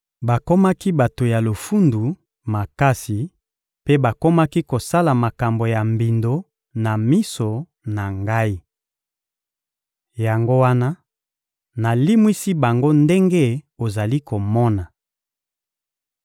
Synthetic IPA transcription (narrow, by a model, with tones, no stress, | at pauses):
ba˨ko˦ma˦ki˦ba˨to˨ja˨lo˨fu˦ndu˨ | ma˨ka˦si˨ | pe˦ba˨ko˦ma˦ki˦ko˨sa˦la˨ma˨ka˨mbo˨ja˨mbi˨ndo˦ | na˨mi˦so˨ | na˨ŋɡa˦i˦ | ja˨ŋɡo˦wa˦na˦ | na˨li˦mwi˦si˦ba˨ŋɡo˦nde˦ŋɡe˦o˨za˨li˦ko˨mɔ˦na˨